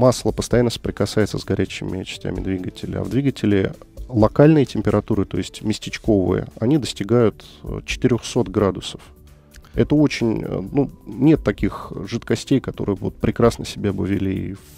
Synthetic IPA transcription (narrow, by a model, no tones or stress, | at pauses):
maslˠəpəst̪ɐjanːəsə̥pɾʲɪkɐsaɪt̪səzɡɐɾʲæɕːɪmʲɪt͡ɕɪ̥sʲtʲæ̰mʲɪ̰d̪vʲiɡətʲɪlʲɪ̰ɐ̰vd̪vʲiɡətʲɪlʲɪlˠɐkalʲnɨjətʲɪmʲpʲɪɾɐt̪uɾɨt̪o̞jɪsʲtʲmʲɪsʲtʲɪt͡ɕko̞vɨ̰jə̰ɐnʲid̪əsʲtʲɪɡajʊt̪ | t͡ɕɪ̥t̪ɨɾʲoxso̞t̪ɡɾad̪ʊsə̥f | ɛt̪əo̞t͡ɕɪnʲə̰nunʲe̞t̪ːɐkʲixʐɨt̪kɐsʲtʲejkɐt̪o̞̰ɾɨjəvo̞̰t̪̚pɾʲɪkɾasnəsʲɪbʲabɨvʲɪlʲii